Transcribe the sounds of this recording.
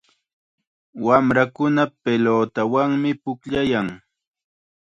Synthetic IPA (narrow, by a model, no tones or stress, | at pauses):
wamɾakʊnapeloːt̪awaŋmɪpʊkʎajaŋ